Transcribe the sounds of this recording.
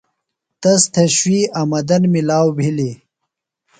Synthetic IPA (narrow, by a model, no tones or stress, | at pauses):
t̪ɐst̪ʰɐɕwiɐmɐd̪ɐnmilaːwbʱili